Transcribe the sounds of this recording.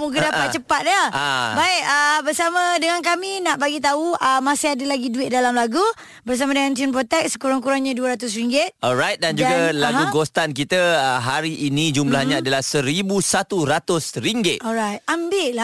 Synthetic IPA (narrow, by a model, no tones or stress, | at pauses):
muɡadapat̪̚t͡ʃəpat̪̚daabaɪk̚əbərsamãdəŋank̬amĩnaʔbaɡit̪̬auʔəmasiadəlaɡiduɪt̪̚dalamlaɡu | bərs̬amadəŋant̪inpɾot̪ɛk̚sə̥kuɾaŋkuɾaŋɲaduəɾat̪ʊs̬ɾiŋɡɪt̪̚ɔlɾajt̪̚dand͡ʒuɡalaɦuɡost̪ank̬it̪əəɦaɾiʔinĩd͡ʒumlahɲãadalahsəɾibusat̪uɾat̪ʊsɾiŋɡɪt̪ʔɔɾajt̪̚ambɪʔla